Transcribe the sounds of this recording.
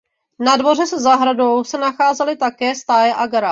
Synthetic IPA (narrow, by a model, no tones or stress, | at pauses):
nadvo̞r̝ɛsɛzaɦɾado̞wsɛnaxaːzɛlɪt̪akɛːst̪aːjɛʔaɡaɾa